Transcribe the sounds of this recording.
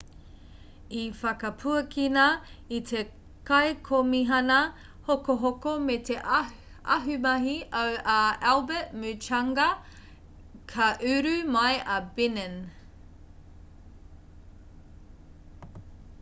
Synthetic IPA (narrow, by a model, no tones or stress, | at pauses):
ifɐkɐpʰuɐkʰinɐit̪ʰe | kɐekʰomiɦɐnɐ | hokoɦokomet̪eʔ | ʔɐ̰ɦʉmɐɦiʔəwaɛlˠbəʔmʉt͡ʃɐŋɡɐ | kʰɐʔʉɾʉmɐjɐbinən